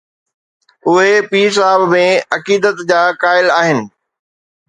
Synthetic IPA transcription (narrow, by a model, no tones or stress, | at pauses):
ʊɦepiːsaːəbmẽɐkiːd̪ət̪d͡ʑaːkaːɪlaːɦɪnɪ̆